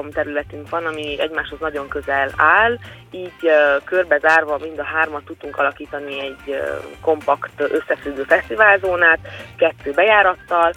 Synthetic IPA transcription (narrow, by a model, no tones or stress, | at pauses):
omt̪ɛɾylɛt̪yŋkʋɒnɒmiɛ̰ɟmaːʃho̞znɒɟo̞ŋkø̞zɛlaːl | iːɟkørbɛzaːrvɒmind̪ɒɦaːrmɒt̪ːud̪uŋkɒlɒkiːt̪ɒniɛɟko̞mpɒkt̪ø̞sːɛfyɡːøːfɛst̪ivaːlzoːnaːt̪kɛt̪ːøːbɛjaːɾɒt̪ːɒl